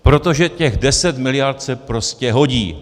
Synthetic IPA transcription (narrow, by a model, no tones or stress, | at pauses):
pɾo̞t̪o̞ʒɛcɛɣdɛsɛt̪mɪlɪjaɾt̪sɛpɾo̞scɛɦo̞ɟiː